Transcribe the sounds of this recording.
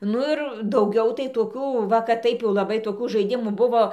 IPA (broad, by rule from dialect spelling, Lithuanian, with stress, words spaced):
ˈnʊ ɪr dɐʊˈɡʲɛʊ tɐɪ toːˈkʲuː ˈʋɐ kɐt ˈtɐɪp jɛʊ lˠɐˈbɐɪ toːˈkuː ʒɐɪˈdʲɪmuː ˈbʊʋoː